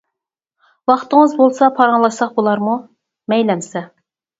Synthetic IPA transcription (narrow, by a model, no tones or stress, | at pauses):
wɑχt̪əŋəzbolˠsɑpʰɑɾɑŋlˠɑʃsɑχbolˠɑɾmu | mɛjlɛmsɛ